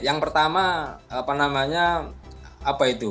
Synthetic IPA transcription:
jaŋpərt̪amaapanamaɲa | apait̪u

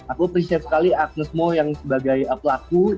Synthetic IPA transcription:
akupəɾisit̪̚sə̥kaliak̚nəsmojaŋsəbaɡajəpəlaku

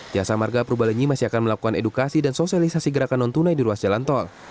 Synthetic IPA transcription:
d͡ʒiasamarɡapəɾubaliɲimasiakanməlakukanedukasidansosialisasiɡəɾakanɔnt̪unajdiɾuasd͡ʒalant̪ɔl

